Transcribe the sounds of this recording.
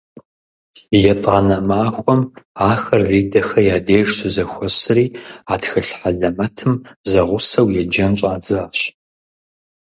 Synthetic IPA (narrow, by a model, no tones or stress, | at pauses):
jɛtʼaːnɐmaːxʷʼɔmaːxɐrːiːdɐxɐjaːdeːʒsɨzɐxʷɔsɨriːaːtxɐɬħaɮɐmɐtʰɨmzɐʁʷʊsɐwjɛd͡ʒɐnɕʼaːd͡zɨɕ